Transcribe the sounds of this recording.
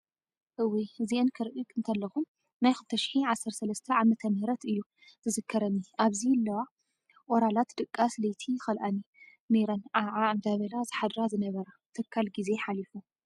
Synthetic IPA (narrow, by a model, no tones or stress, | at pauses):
ʔɨwiziʔɨnkʰɨɾʔɨkʼɨnt̪ʰɐlːɐxum | najxɨlt̪ʰɐʃi̥ħiʕasːɐɾsɐlɐst̪ʰɐʕamɐt̪ʰɐmɨhɾɐt̪ɨjːu | zɨzɨkʰːɐɾɐnːiʔaβzilːɐwa | ʔʼɔɾalat̪d̪ɨkʼːaslɐjt̪ʰixɐlʔani | neɾɐnʕaʕand̪aβɐlazɨħad̪ɾazɨnɐβɐɾa | t̪ʰɨkʰːalɡize̞ħalifu